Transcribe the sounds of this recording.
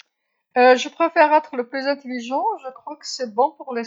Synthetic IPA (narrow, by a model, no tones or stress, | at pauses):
əʒəpχefɛʁɛt̪χələplyzɛ̃t̪eliʒɑ̃ʒəkχwakə̥sɛbɔ̃puʁle